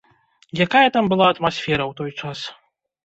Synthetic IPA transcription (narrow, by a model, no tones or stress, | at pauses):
jakajɐt̪ambɨlˠaɐt̪masʲfʲɛɾɐwt̪ɔjt͡ʂas